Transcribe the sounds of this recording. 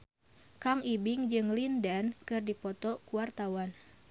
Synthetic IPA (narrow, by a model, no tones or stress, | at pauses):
kaŋibiŋd͡ʒɨŋlindɛnkɨrdipɔt̪ɔkuwart̪awan